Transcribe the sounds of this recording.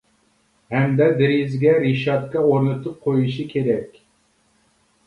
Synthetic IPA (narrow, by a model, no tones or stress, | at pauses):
hɛmd̪ɛd̪ɪɾizɡʲɛɾiʃɑt̪kɑoɾnɨt̪ʰup̚qʰojuʃikʲʰeɾɛkʲ